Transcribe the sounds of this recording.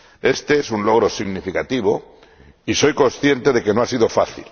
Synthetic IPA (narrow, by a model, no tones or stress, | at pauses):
e̞st̪eesunlo̞ɣ̞ɾo̞siɣnifikat̪iβ̞o̞ | iso̞jko̞nsθje̞nt̪e̞ðe̞ke̞noasiðo̞faθḭl